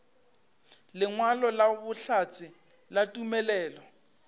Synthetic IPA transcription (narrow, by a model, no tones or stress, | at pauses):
lɪŋwalɔlabʊɬat͡sʼɪ | latʼumɛlɛːlɔ